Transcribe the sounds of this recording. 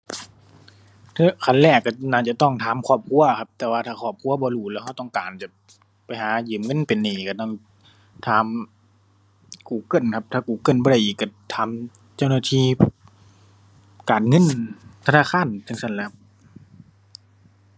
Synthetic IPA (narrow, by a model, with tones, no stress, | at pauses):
t̪ʰɯ˧˥˩kʰa˧˨nlɛː˧˩kːa˧˩naː˧˩t͡ɕa˧t̪ɔ˧˥˩ŋt̪ʰaː˨˦mkʰɔː˧˩p̚kʰu˧˥ɐ˨kʰa˧p̚t̪ɛː˧waː˧t̪ʰaː˧˩kʰɔː˧˩p̚kʰu˧˥ɐbɔː˧˦duː˧˩lɛː˧wha˧˩˨t̪ɔː˧˥˩ŋkaː˨˩nt͡ɕa˧˩ | pa˨˩jɦaː˨˩˦jɯː˨˩mŋɤ˧˥˨npe˨nːiː˧˩ka˧˩t̪ɔ˧˥˩ŋ | t̪ʰaː˨˦m | kuː˨˩kɤ˧˥˨nkʰa˧p̚t̪ʰaː˧˩kuː˨˩kɤ˧˥˨nbɔː˧ɾa˧˩˨ʔiː˨˩kːa˧˩t̪ʰaː˨˦m | t͡ɕa˧˩˨wnaː˧˩t̪ʰiː˧˩ | kaː˨nŋɤ˧˥˨nt̪ʰa˧naː˧˥˨xʰaː˧˥˨nt̪ʰɯ˧˨ŋsa˧˥˨nlɛː˧˩˨